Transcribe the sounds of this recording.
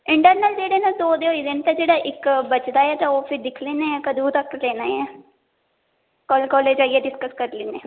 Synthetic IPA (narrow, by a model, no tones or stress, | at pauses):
ɪɳʈəɾnəld͡ʒeːɽenad̪oːd̪eɦoid̪ɪnt̪ad͡ʒeːɽaʔɪkbət͡ʃd̪aːɛt̪aoːpʰɪɾd̪ɪkʰleːneɛkəd̪ut̪ɐkːleːnaɛː | kɔːlkɔːleːd͡ʒaːiɛɖɪskəskəɾleːneː